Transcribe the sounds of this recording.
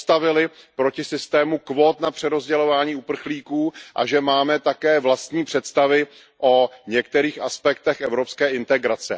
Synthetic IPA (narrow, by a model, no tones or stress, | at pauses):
st̪avɪlɪ | pɾo̞cɪsɪst̪ɛːmukvo̞t̪napr̝̥ɛɾo̞zɟɛlo̞vaːɲiːupr̩xliːkuːʔa̰ʒɛmaːmɛt̪akɛːvlast̪ɲiːpr̝̥ɛt̪st̪avɪ | ʔo̞ɲɛk̚t̪ɛɾiːxaspɛk̚t̪ɛxʔɛvɾo̞pskɛːʔɪnt̪ɛɡɾat͡sɛ̰